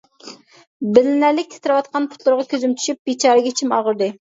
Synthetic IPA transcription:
bɪlɪnæɾlɪk̚ʲt̪ʲʰe̥t̪ʰɪɾɪwɑt̪̚qʰɑnpʰʊ̥t̪ʰlˠʊɾʁɑkʲøzymt͡ʃʰy̥ʃyp̚bit͡ʃʰɑːɾɨɡʲɛt͡ʃʰimɑʁəɾd̪ɨ

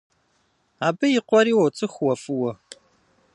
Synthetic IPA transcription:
aːbɐjɪqʷɔɾiːwɐt͡sʼɨxwɐfɨwɔ

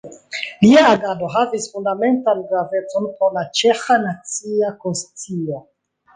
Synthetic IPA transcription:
liaːɡado̞ɦavisfundame̞ntanɡɾave̞t͡so̞npolat͡ʃe̞xanat͡siakonst͡sio̞

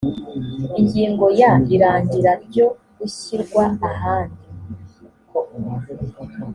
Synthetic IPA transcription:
iɲɟiːŋɡo̞jaiɾaːɲɟiɾaɾɟo̞ | iɕiɾɡwaːhaːndi | ko

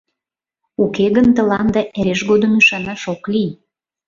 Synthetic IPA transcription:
ukeɣənt̪ə̆lɑnd̪ɑʔeɾeʃɣod̪əmyʃɑnɑʃoklij

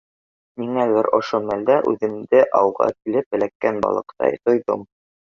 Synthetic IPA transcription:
miŋælɘɾŏʃomæld̪æʔʉ̰ðɘ̆md̪ɘʔɑwʁɑ̰kilɘp̚bɘ̆lækːænbɑ̰lˠɤ̆qt̪ɑ̰jt̪ŏjðom

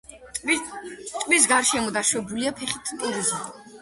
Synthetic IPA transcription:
t̪ʼmis̬ɡaɾʃɛmɔd̪aʃwɛbuliapʰɛχit̪ʰpʼuɾizi

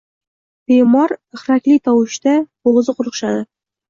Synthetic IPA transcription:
bemɑɾə̆χɾæklit̪ɒwɤ̆ɕt̪æboʁɤ̆zɤqŏɾɤ̆qʃɑd̪ɤ

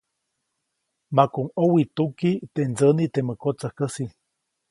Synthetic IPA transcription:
makuŋowit̪ukit̪end͡zənit̪eməkot͡səhkəsi

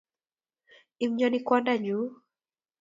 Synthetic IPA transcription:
im̩ɲɔnikwandaɲu

